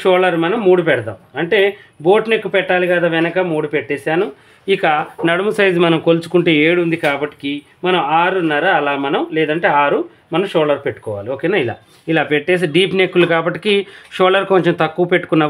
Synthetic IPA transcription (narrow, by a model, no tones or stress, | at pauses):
ʃoːlɐɾmɐnɐmːuːɽupɛɽɐd̪a̰ːmɐɳʈe̞ːbo̞ːʈne̞kːupɛʈːaːlikɐd̪ɐʋɛnɐkɐmuːɽupeʈːeːsaːnu | ikɐnɐɽumusɐjd͡ʒimɐnɐmkolut͡ʃu̥kuɳʈeːeːɽund̪ikaːbɐʈːi̥ki | mɐnɐmaːɾunːaːɾaɐlaːmɐnɐmlɛːd̪ɐɳʈe̞ːaːɾu | mɐnɐmʃoːlɐɾpeʈːu̥kɔːʋa̰ːlioːkeːnaːila̰ː | ilaːpɛʈːeːs̬iɖiːpne̞kːulukaːbɐʈːi̥kiʃoːlɐɾkoɲt͡ʃemt̪ɐkːuːpeʈːu̥kunːɐ